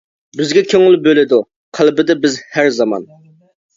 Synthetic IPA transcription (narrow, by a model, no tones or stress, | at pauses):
bɪzɡʲɛkʲʰøŋɪlˠbølɪd̪u | qʰælˠbɪd̪ɛbɪzhæɾzɑmɑ̰n